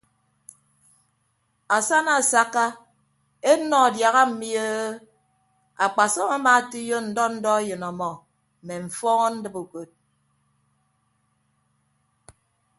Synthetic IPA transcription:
a˨sa˦na˨sa˦ka˦ | e˦nɔ˨dja˨ɣa˦m̩˨mi˦ə˦ | a˨k͡pa˨sɔ˦ma˦ma˨˦ti˦jo˦n̩˨dɔ˦n̩˦dɔ˦jɨ˨nɔ˨mɔ˨ | m̩˨me˨ɱ̩˨fɔ˦ŋɔ˦n̩˦dɨ˦bo˨ko˨t̚

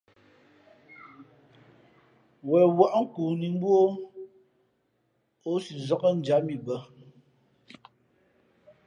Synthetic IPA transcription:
wɛ˨wa˦˨ʔŋ̩˦kuː˨ni˨ŋ˦bwo˦ | o˦si˨zɔ˦kə˦n̩˨˦d͡ʒa˨˦mi˨bə˦

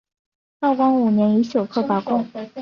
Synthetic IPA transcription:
tɑ˥˩ʊkɑ˥ŋu˨˩njɛ˧˥ni˧˥ɕjo˨˩ʊkʰɤ˥˩pa˧˩kʊ˥ŋ

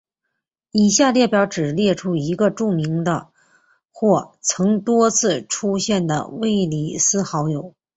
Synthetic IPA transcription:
i˨˩ɕja˥˧ljɛ˥˩pjɑ˧˥ʊʈ͡ʂɻ̩˨˩ljɛ˥˩ʈ͡ʂʰu˥i˧˥ɡə˧ʈ͡ʂu˥˩mi˧˥ŋd̪ə̰˧ | xwɔ˥˩t͡sʰɤ˧˥ŋt̪wɔ˥t͡sʰɹ̩˥˧ʈ͡ʂʰu˥ɕjɛ˥˩nd̪ə̰˩we˥˩ɪli˨˩sɹ̩˥xɑ˧˥ʊjo˨˩˦ʊ

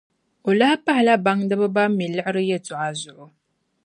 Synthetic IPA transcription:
o˨la˦pa˦hla˦ba˦ŋdɨ˦bɨ˦ba˦mːi˨lɨ˦ʔɪ˦ɾɨ˦jɛ˦˨tu˨ʔa˨zʊ˨ʔʊ˨

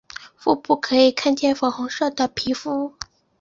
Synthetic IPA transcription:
fṵ˥˧pu˥˩kʰɤ˧˥i˨˩kʰa˥˧nt͡ɕjɛ˥˩nfɑ˨˩xʊ˧˥ŋʂɤ˥˩d̪ə˩pʰi˧˥fu˥

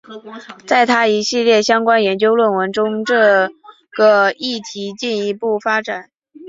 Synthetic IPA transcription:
t͡sa˥˩ɪt̪ʰa˥i˧˥ɕi˥˧ljɛ˥˩ɕjɑ˥ŋkwa˥njɛ˧˥nt͡ɕjo˥ʊlwə˥˩nwə˧˥nʈ͡ʂʊ˥ŋʈ͡ʂɤ˥˩ | ɡ̥ə˩i˥˩t̪ʰi˧˥t͡ɕi˥˩ni˧˥pu˥˩fa˥ʈ͡ʂa˨˩˦n

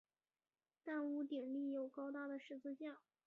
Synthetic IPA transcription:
t̪a˥˩nu˧˥t̪i˨˩ŋli˥˩jo˨˩ʊkɑ˥ʊt̪a˥˩d̪ə˩ʂɻ̩˥˧t͡sʰɹ̩˥˧ɕjɑ˥˩ŋ

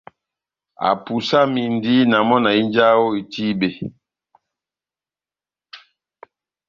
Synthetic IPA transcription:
a̰˨pu˨sa˦mi˨ndi˦na˨mɔ˦na˨i˦nd͡ʒa˦wo˦i˨ti˦be˨

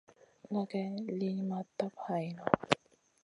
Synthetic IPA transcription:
ŋa˧kɛ˧li˧mɐ˨˧tt̪ːɐ˥p̚hɐ˨jnɔ˧

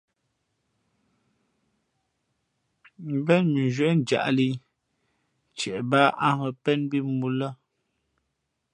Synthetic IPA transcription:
m˦bɛ˦nmi˨ʒwə˨ʔn˨d͡ʒa̰˨ʔli˦ | t͡ʃɛ˨ʔba˦a˦ŋə˨pɛ˦nbi˦mu˦lə˦

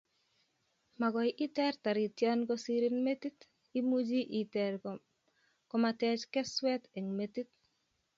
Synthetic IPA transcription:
ma˨kɔ˨jʔi˦tɛ˦ɾta˨ɾi˨tjɔnkosiɾi˦nme˦tit | i˦mud͡ʒi˦ʔi˨tɛɾ | kɔmatɛ˦t͡ʃkɛ˦swɛ˦tɛ˨ŋmeti˦t̚

